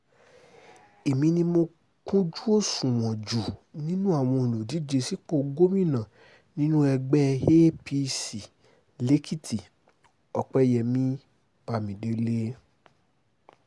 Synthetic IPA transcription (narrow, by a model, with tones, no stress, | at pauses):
e˨mĩ˧nĩ˧mo˧ | kũ˦d͡ʒu˦o˦˨sũ˨w̃ɔ̃˨d͡ʒu˨nĩ˦nũ˦a˦˨w̃ɔ̃˧i˨lo˨di˨˦d͡ʒe˧si˦k͡po˦˧˨ɡo˦mĩ˦˨nã˨ | nĩ˦nũ˦ɛ˧ɡ͡bɛ˦he˦pi˧si˨ | le˨˦kʰi˦ti˨ | ɔ˧k͡pɛ˦jɛ˨mĩ˦ | pa˧mĩ˨de˧le˦